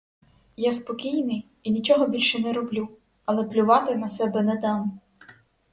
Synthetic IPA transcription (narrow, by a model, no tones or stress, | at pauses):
jaspɔkʲijnɪj | inʲit͡ʃɔɦɔbʲilʲʃɛnɛɾɔblʲu | ɐlˠɛplʲʊʋɑt̪ɪnɐsɛbɛnɛd̪ɑm